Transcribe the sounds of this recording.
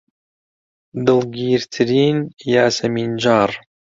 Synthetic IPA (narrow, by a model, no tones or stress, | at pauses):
d̪ɨlˠɡiːɾt̪ʰɨɾiːnjaːsɐmind͡ʒɑːɾˤ